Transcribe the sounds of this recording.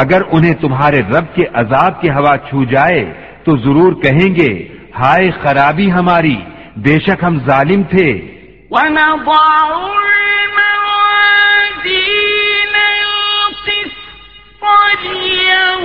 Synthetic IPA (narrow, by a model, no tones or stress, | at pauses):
ɐɡəɾʊnɦẽt̪ʊmɦaːɾeɾɐb̚keʔɐzaːb̚keɦɐʋaːt͡ʃʰuːd͡ʒaːe | t̪ozɐɾuːɾkɐɦẽːŋɡeːhaːexɐɾaːbiɦɐmaːɾiː | beːʃɐkɦɐmzaːlɪmt̪ʰeː | wɐnãbaːʊɾnaad̪inɐ | tis | pãːɾia